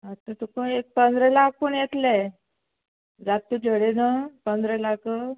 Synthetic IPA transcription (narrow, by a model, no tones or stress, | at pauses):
ət̪ːət̪ukəek̚pənd̪ɾəlak̚pəɳjet̪lɛ | d͡zat̪ːud͡ʑʱəɽenapənd̪ʱɾəlakə